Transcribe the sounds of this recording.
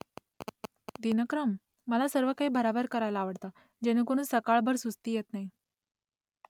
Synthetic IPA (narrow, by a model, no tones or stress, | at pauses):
d̪inəkɾəmː | əlasəɾʋəkaɦiːbəɾabəɾkəɾajlaːʋəɽt̪a | d͡ʑeñekoɽ̃uːnsəkaɭbʱəɾsust̪iːjet̪naɦi